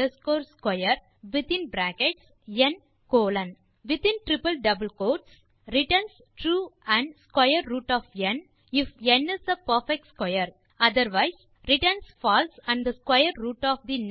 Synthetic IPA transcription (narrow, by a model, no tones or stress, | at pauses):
əskoːɾskwaɪəɾ | ʋɪt̪ɪ̃nbɾækeʈs | jɛ̃n | koːlɐ̃n | ʋɪt̪ɪ̃nʈɾɪpəlɖɐbəlkoːʈs | ɾɪʈəns | ʈɾuːæ̃ɳɖskwaɪəɾːuːʈɔːfjɛ̃n | ɪfjɛ̃nɪsəpəɾfɛk̚ʈskwaɪəɾ | ɐd̪əɾʋaɪs | ɾɪʈənsfɔːlsæ̃ɳɖd̪ɐskwaɪəɾɾuːʈɔːfd̪in